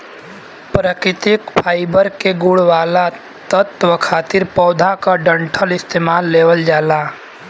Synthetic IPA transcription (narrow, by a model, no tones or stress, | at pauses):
pɾəkɾɪt̪ɪkpʰaːɪbəɾkeɡʊɽʋaːla | t̪ət̪ʋəkʰaːt̪ɪɾpɔːd̪ʱakaɖə̃ɳʈʰəlɪst̪eːmaːlːeːwəld͡ʒaːlaː